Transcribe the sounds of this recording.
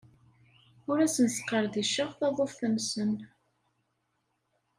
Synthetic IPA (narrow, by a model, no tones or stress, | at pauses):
ʊɾæsənsqːəɾˤðiʃəʁθɑðˤofθəmsən